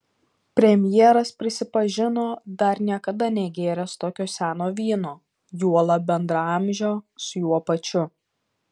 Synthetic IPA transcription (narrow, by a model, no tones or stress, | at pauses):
pʲɾʲɛmʲjɛɛɾɐspʲɾʲɪsʲɪpɐʒʲɪnoːd̪ɐɾnʲiɛkɐd̪ɐnʲɛɡʲeːɾʲɛst̪oːkʲoːsʲæːnoːʋʲiːnoː | juɔlˠɐbʲɛnd̪ɾɑɐmʲʒʲoːsʊjuɔpɐt͡ʃʲʊ